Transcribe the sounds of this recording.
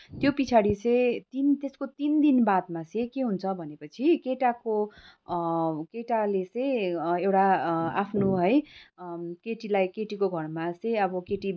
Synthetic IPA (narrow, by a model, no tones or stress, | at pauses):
t̪jopit͡sʰaɽit͡sʌj̃t̪int̪eskot̪ind̪inbad̪̚mat͡sʌ̃j̃keɦunt͡sʰʌbʱʌnepʌt͡sʰikeʈako | keʈalet͡sʌ̃jewʈaapʰnoɦʌj | keʈilajkeʈikoɡʱʌrmat͡sʌ̃jʌbʌkeʈi